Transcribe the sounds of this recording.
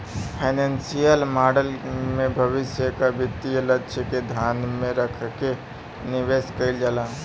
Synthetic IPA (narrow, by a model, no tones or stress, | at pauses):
pʰaɪnẽnsijəlmaːɖəlmẽbʱɐʋɪsjəkabɪt̪ːijələtːʃked̪ʱjaːnmẽɾəkʰke | nɪʋeːskəɪld͡ʒəlaː